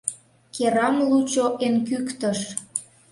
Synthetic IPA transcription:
keɾɑmlut͡ɕoʔenkykt̪əʃ

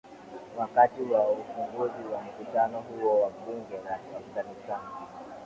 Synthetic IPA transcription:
wakatiwaufuŋɡuziwam̩kutanɔɦuɔwaɓuŋɡɛɾasakanisana

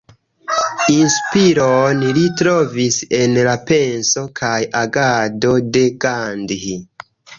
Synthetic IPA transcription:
inspiɾonlitɾo̞vise̞nlape̞nso̞kʰajaɡado̞de̞ɡandhi

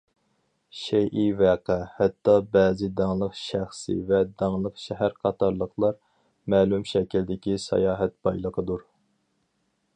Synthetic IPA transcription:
ʃɛjʔivæːqæhɛt̪ːɑbɛːzɪd̪ɑŋlˠəqʃæχsɨ̰vɛd̪ɑŋlˠəqʃɛɦæɾqʰɑt̪ɑɾlˠəχlˠɑɾ | mɛːlymʃɛkʲild̪ɪkʲisɑ̰jɑːɦɛt̪̚bɑjlˠəqʰəd̪uɾ

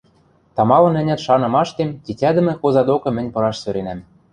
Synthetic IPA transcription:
t̪ɑmɑlɤ̆nɘ̆nʲæt̪ʃɑnɤ̆mɑʃt̪emt̪ʲitʲæd̪ɘ̆mɘ̆xozɑd̪okɤ̆mɘ̆nʲpɤ̆ɾɑʃsøɾenæm

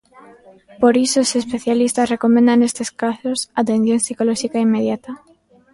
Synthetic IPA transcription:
poɾisoːsespeθjalist̪asrekomẽnd̪aŋnest̪eskasosat̪ẽn̟θjoŋsikolɔʃikaimːeðjat̪a

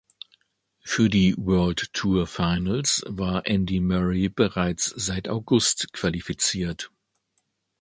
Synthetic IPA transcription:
fyːɐdiːwɜɐlttʰːuːɐfaɪnəlsvaːɐʔɛndimœʁib̥əʁaɪt͡sz̥aɪta̰ʊɡʊstkv̥alifit͡siːɐt

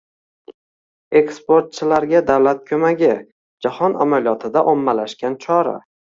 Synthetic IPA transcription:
e̞kspoɾt̪̚t͡ʃʰɪlaɾɡʲad̪awlat̪̚kʲʰɵmaɡʲɪ | d͡ʒahɒna̰maljɒt̪ʰɪd̪aʔomːalaʃkʲant͡ʃʰɒɾa̰

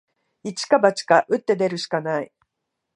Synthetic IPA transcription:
it͡ɕi̥kabat͡ɕi̥kaʔɯ̟t̪ːe̞d̪e̞ɾɯ̟ɕi̥kanai

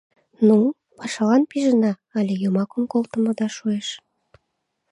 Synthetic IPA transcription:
nu | pɑʃɑlɑnpiʒənɑ | ɑlʲejomɑkəmkolˠt̪ə̆məd̪ɑʃueʃ

